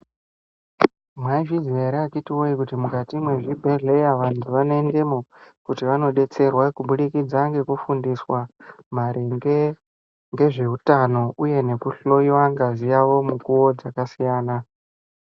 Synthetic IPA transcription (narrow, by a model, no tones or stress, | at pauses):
mwaiʐizieɾakitiwoikutimukatimweʐibʱeɮe̞jaʋantʰuʋanoende̞mokutiʋano̞ɗe̞t͡se̞rwakuɓuɗikid͡zaŋɡe̞kufundiswam̤aɾiŋɡe | ŋɡe̞ʐe̞ɦutano̞uje̞ne̞kuɬo̞jiwaŋɡazijaʋo̞mukuwo̞d͡zakasijaːna